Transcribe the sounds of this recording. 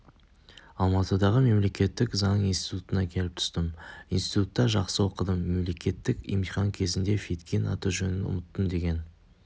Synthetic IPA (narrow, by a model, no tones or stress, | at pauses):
ɑlˠmɑt̪əd̪ɑʁəme̞mle̞kʲe̞t̪ːɪkzɑnəɴijnst̪i̥t̪ut̪ənɑkʲʰe̞lɪp̚t̪ʰʏ̥st̪əminst̪it̪ut̪ːɑʒɑqsəwo̞qəd̪əmːe̞mle̞kʲe̞t̪ːɪkḭjmijχɑŋkʲʰe̞zɪnd̪e̞fit̪kʲʰenɑ̰t̪uʒɵnɪnʊ̰mət̪ːəmd̪e̞ɡʲe̞n